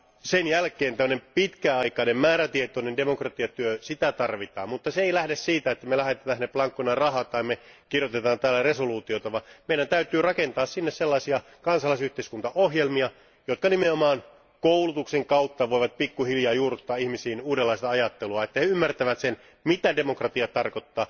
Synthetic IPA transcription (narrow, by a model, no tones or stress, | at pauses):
senjælkeːnt̪æmːønempit̪kæɑikɑnemmæːɾæt̪iet̪onendemokrɑt̪iɑt̪yøsit̪æt̪ɑrʋit̪ɑ̰ːmmut̪ːɑseeilæhdessiːt̪æet̪ːæmelæɦet̪et̪æːneplɑŋkːonɑrɑɦɑt̪ɑːmme | kirjot̪et̪ɑːnt̪æːlːæresoluːt̪iot̪ɑʋɑmeiɾænt̪æyt̪yːrɑkent̪ɑːssinːesselːɑisiɑ | kɑnsɑlɑisyht̪eiskunt̪ɑoɦjelmiɑ | jot̪kɑnimeomɑːn | koulut̪ukseŋkɑut̪ːɑʋoiʋɑt̪̚pikːuhiljɑːjuːrut̪ːɑːihmisiːnuːdelːɑˑist̪ɑɑjɑt̪ːeluɑet̪ːæheymːært̪æʋæt̪sen | mit̪ædemokrɑt̪iɑt̪ɑrkot̪ːɑː